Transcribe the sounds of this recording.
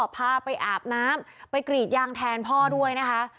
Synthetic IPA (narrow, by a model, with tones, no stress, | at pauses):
pʰaː˧pa˧jʔaː˨˩p̚naː˦˥mpa˧jkɾiː˨˩t̪̚jaː˧ŋt̪ʰɛː˧npʰɔː˥˩du˥˩əjna˦˥kʰa˦˥ʔ